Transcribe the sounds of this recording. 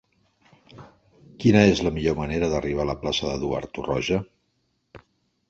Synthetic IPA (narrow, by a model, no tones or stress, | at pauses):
kinəezləmiʎoməneɾəðəriβ̞aləplasəðəðua̰ɾt̪urɔʒə